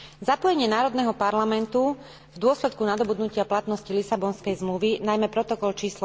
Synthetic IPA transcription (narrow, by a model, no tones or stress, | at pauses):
zapɔjɛɲɪɛnaːɾɔd̪nɛːɦɔpaɾlamɛnt̪u | vd̪ʊɔslɛt̪̚kunad̪ɔbud̪nucɪaplat̪nɔscilisabɔnskɛjzmluʋinajmɛpɾɔt̪ɔkɔlt͡ʃiːsl